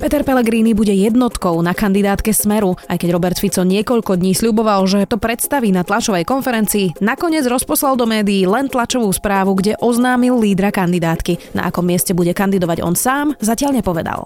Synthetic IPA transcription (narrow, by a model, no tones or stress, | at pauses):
pɛt̪ɛɾpɛlɛɡɾiːnibuɟɛjɛd̪nɔt̪kɔʊnakand̪id̪aːt̪kɛsmɛɾuajkɛɟɾɔbɛɾt̪fit͡sɔɲɪɛkɔʎkɔd̪ɲiːsʎubɔʋalʒɛt̪ɔpɾɛt̪st̪aʋiːnat̪lat͡ʃɔʋɛjkɔnfɛɾɛnt͡siːnakɔɲɪɛd͡zɾɔspɔslalˠd̪ɔmɛːd̪iːlɛnt̪lat͡ʃɔʋuːspɾaːʋuɡɟɛʔɔznaːmilːiːd̪ɾakand̪id̪aːt̪kina̰ʔa̰kɔmːɛscɛbuɟɛkand̪id̪ɔʋaɟɔ̰nsaːmzacɪaʎɲɛpɔʋɛd̪a̰lˠ